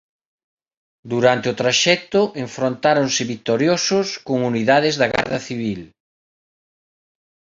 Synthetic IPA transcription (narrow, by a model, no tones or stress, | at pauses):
d̪uɾant̪ɪʊt̪ɾaʃɛk̚t̪ʊʔeɱfɾont̪aɾonsɪβit̪oɾjosʊskoŋuniðaðɪzðaɣa̰ɾðɐθiβ̞il